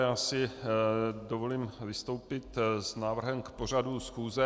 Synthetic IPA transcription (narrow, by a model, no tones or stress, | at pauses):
jaːsɪ | dovo̞liːmvɪst̪o̞wpɪt̪znaːvr̩ɦɛmkpo̞r̝adusxuːzɛ